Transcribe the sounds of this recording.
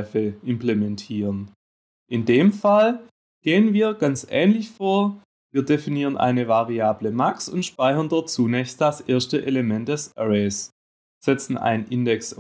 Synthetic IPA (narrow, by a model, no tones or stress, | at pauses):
fəʔɪmplemɛntʰiːʁən | ʔɪndeːmfal | ɡ̥eːənviːɐɡant͡sʔɛ̰ːnlɪçfoːɐ | viːɐdefiniːʁ̞ənʔa̰ɪnəvaʁiaːbləmaksʊntʃpaɪçɐndɔt̚t͡suːnɛːçst̚d̥asʔeːɐstəʔeləmɛnt̚d̥ɛsʔɛʁes | z̥ɛt͡sn̩ʔa̰ɪnʔɪndɛks